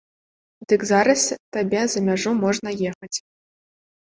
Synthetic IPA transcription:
d̪ɨkzaɾɐst̪abʲɛzɐmʲaʐumɔʐnɐjexɐt͡sʲ

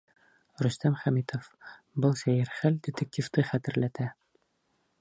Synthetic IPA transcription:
ɾɵ̆st̪æmχæmit̪ʰof | bɤlˠsæjɘɾχæld̪ʲɪt̪ek̚t̪ʲift̪ɤχæt̪ɘ̆ɾlæt̪æ

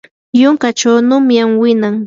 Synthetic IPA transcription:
jʊŋkat͡ʃawnʊmjamwɪnaŋ

